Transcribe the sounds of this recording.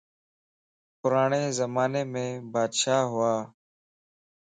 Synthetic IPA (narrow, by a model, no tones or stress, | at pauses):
pʊɾaːɳeːzəmaːneːmẽːbaːd̪ʃaːɦʊaː